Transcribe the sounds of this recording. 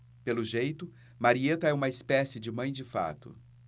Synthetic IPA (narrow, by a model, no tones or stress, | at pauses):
pelʊʒejt̪ʊ | maɾiet̪ɐɛũmɐɪspɛsɪd͡ʒɪmɐ̃j̃d͡ʒɪfa̰t̪ʊ̰